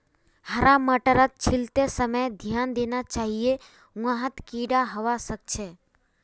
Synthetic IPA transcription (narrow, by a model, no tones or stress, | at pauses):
həɾaməʈəɾət̪̚t͡ʃʰɪlt̪esəməjd̪ʱjaːnd̪eːnat͡ʃaːɦije | wãɦət̪kiɽaɦəʋasək̚t͡ʃʰeː